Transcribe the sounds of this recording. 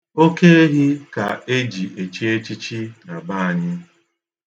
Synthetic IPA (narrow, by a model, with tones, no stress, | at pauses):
o˦ke˦e˦ɦi˦ka˨e˦d͡ʒi˨ʔe˨t͡ʃi˦e˦t͡ʃi˦t͡ʃi˦a˨ba˦˨a˨ɲɪ˦